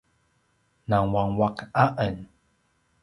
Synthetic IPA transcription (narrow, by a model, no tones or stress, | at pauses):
naŋwaŋwakaʔən